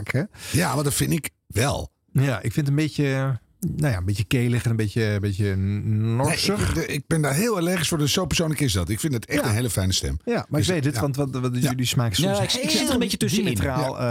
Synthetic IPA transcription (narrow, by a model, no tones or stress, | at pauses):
kʰəjaʋɔndɔtfɪnɪk | ʋɛ̰lˠ | jaʔɪkfɪnt̬ənbejə | nojaəmbetjəkeːləχɛnənmbetjəbetjənʊsəxɪk̚bɪndaɹɦɪːlˠəlɛχisfɔɹdəssowpəɹsownləkɪsdɑtɪkfɪndɪtɛxtənɦeːləfɛjnəstɛ̰mjamaɹskʋejtdətʋɔntʋtlismaːkəsɔsɪkɪəəmbeətstrajalˠ